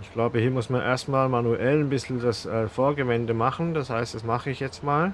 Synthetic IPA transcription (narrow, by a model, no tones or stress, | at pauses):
ɪçɡ̥laʊbəhiːɐmʊsmanʔḛːɐstmaːlmanuʔɛlnbɪsl̩dasʔɛːfoːɐɡəvɛndəmaχn̩d̥ashaɪstd̥asmaχəɪçjɛt͡stmaːl